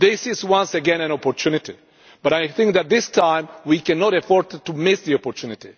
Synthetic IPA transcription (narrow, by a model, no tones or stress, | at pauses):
ðɪsɪzwʌ̃nsɨɡɛ̃næ̃nɔpɔɹtʰunɪti | b̥ʌɾajθɪ̃ŋk̚ðæt̪̚d̪ɪstʰãɪ̃mwikɛnɔɾɨfɔɹttːumɪsðiɔpɔɹtʰunɪtḭ